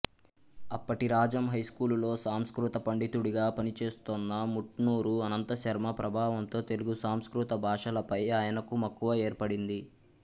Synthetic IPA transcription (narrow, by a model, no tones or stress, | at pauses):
ɐpːɐʈiɾaːd͡ʒɐmɦɐjskuːllo̞ːsaːmskɾut̪ɐpɐɳɖit̪uɽiɡaːpɐnit͡ʃe̞ːst̪ɔnːɐmuʈnuːɾuɐnɐnt̪ɐʃɐɾmɐpɾɐbʱaːʋɐmt̪o̞ːt̪e̞luɡusaːmskɾut̪ɐbʱaːʂɐlɐpɐjaːjɐnɐkumɐkːuʋɐe̞ːɾpɐɽind̪i